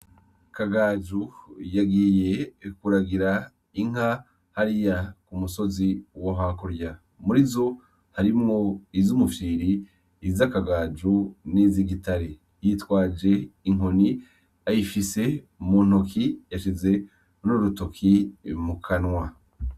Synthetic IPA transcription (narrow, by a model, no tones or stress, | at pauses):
kaɡad͡ʒujaɡiːje̞kuɾaɡiɾa | iŋ̥a | haɾijakumuso̞ziwoɦakuɾja | muɾizo̞ | haɾimŋo̞izumufiːɾiː | zakaɡaːd͡ʒuniziɡitaɾe | jitwaːd͡ʒe̞iŋo̞ni | ajifise̞ | muːn̥hokʰijaʃize̞ | nuɾuto̞kʰimukʰanwa